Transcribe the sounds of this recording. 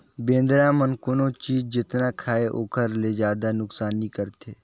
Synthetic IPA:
bẽːnd̪ɾãmənkʊnõt͡ʃiːd͡ʒd͡ʒɪt̪nakʰaːeʔoːkəɾled͡ʒaːd̪anʊksaːnĩkəɾt̪ʰeː

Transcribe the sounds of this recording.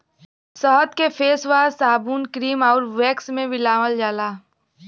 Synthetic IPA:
səɦət̪kepʰeːswaːsaːbuːnkɾiːmɔːɾʋeːksmẽʋɪlaːməld͡ʒaːlaː

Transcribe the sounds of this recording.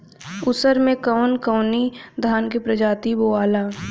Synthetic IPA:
ʊsəɾmẽkəʊnkəʊnid̪ʱaːnkepɾəd͡ʒaːt̪iboːaːlaː

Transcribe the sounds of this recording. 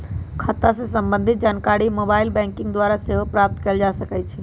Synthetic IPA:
kʰət̪ːasẽsəmbə̃nd̪ʱit̪̚d͡ʒankaɾimobailbɛ̃ŋkĩŋɡd̪waɾaseɦopɾap̚t̪keːld͡ʒasəkɛt͡ʃʰɛ

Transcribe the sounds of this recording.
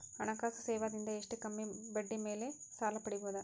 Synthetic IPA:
ɐnɐkaːsɯseːʋaːd̪ind̪ɐeʂʈɯkɐmːibɐɖːimeːleːsaːlɐpːɐɽiʋɯʋɐd̪ɐ

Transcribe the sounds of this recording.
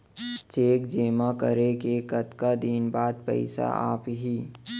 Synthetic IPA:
t͡ʃeːkd͡ʒeːmakə̰ɾekekət̪kad̪iːnbaːd̪̚pə̰ɪsa̰ʔa̰ːpɦiː

